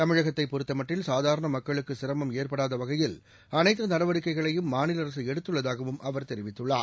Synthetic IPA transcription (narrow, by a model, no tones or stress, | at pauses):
t̪ɐmɪɻɐɣɐt̪ːɐɪpɔɾɪt̪ːɐmɐʈrɪlsaːðaːɾɐɳɐmɐkːɐɭɯkːɯsɪɾɐmɐmeːrpɐɽaːðɐʋɐɣɐjɪl | ɐnɐɪt̪ːɯnɐɽɐʋɐɽɪkːɐɪɣɐɭɐjɯmːaːnɪlɐɾɐs̬ɯɛɽɯt̪ːɯɭːɐðaːɣɐʋɯmʔɐʋɐɾt̪ɛɾɪʋɪt̪ːɯɭːa̰ː